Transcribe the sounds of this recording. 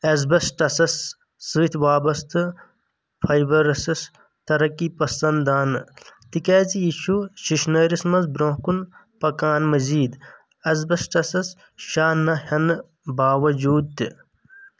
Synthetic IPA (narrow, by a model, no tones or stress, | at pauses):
ɐzbɐsʈɐsɐsː | ɨt̪ʰʋaːbɐst̪ɨ | fʰɐjbɐɾɐsɐs | t̪ɐɾɐkipɐsɐnd̪aːnt̪ikaːzijiʃuʃiʃnɐɾismɐzbɾõːkun | pɐkaːnmɐziːd̪ | ɐzbɐsʈɐsɐs | ʃaːnɐhɐn | baːʋɐd͡ʒuːd̪̚t̪ɨ